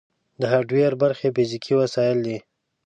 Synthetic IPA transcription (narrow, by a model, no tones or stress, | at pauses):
d̪əɦaɖweɾbaɾxepizikʰiwasɑjɪld̪i